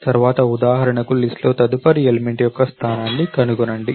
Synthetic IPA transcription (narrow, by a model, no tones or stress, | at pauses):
t̪ɐɾuʋaːt̪ɐud̪aːɦɐɾɐɳɐkulisʈlo̞ːt̪ɐd̪upɐɾielime̞ɳʈjɔkːɐst̪ʰaːnaːnːikɐnuɡunɐɳɖi